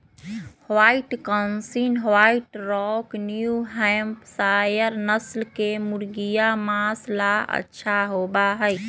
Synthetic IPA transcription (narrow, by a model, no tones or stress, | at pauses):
hwaiʈkənsinɦwaiʈɾɔknjuɦɛmpsajəɾnəslkemuɾɡijamãslaə̰tːʃʰaɦobaɦəj